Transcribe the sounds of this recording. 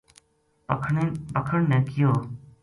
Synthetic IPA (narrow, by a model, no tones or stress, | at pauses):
pəkʰəɳnɛ̃ːkɪjoː